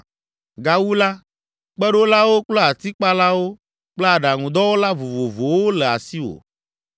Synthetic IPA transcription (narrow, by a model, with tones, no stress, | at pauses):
ɡa˦wu˦la˦ | k͡pɛ˦ɖo˦la˦wo˦k͡plɔ˦a˨t̪i˦k͡pa˦la˦wo˦ | k͡plɛ˦a˨ɖa˨ŋũ˨d̪ɔ˦wo˦la˦vo˨vo˨vo˨wo˦lɛ˨a̰˨si˦wo̰˨